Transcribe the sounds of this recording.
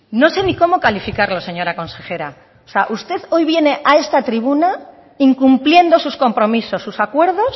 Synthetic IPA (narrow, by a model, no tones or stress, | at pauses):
no̞se̞niko̞mo̞kalifikaɾlo̞se̞ɲo̞ɾako̞nse̞xe̞ɾa | oseaʔust̪e̞ðo̞jβje̞ne̞ʔae̞st̪at̪ɾiβ̞una | iŋkumplje̞nd̪o̞susko̞mpɾo̞miso̞sːusakwe̞ɾðo̞s